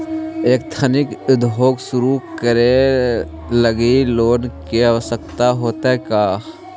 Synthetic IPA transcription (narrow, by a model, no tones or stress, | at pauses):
eːk̚t̪ʰənɪkɪd̪ʱɦoːɡsʊɾukəɾe | ləɡiloːnkeəʋəsək̚t̪aɦoːt̪aɦɛkaː